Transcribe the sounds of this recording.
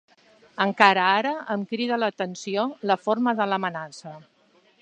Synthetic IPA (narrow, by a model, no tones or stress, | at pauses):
əŋkaɾəaɾəəmkɾiðələt̪ənsioləfoɾməðələmənasə